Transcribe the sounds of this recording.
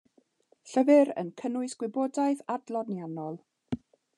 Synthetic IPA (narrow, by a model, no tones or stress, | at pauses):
ɬəvɪɾə̰nkʰənʊɨsɡ̥wɪboːdaɨðadlˠɔnjanɔlˠ